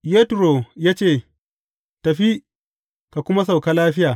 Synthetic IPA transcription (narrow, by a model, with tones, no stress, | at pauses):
je˦tɾo˨jaː˦t͡ʃeː˦˨ | tɐ˨ɸi˦ | ka˨kʷʊ˦ma˦s̬a˨wka˦laː˦ɸɪ˦jaː˨